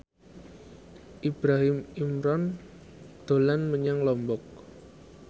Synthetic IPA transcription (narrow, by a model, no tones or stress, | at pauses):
ʔib̥ɾaɦɪmimɾɔn | d̪̥o̤lanməɲaŋlɔmbɔk̚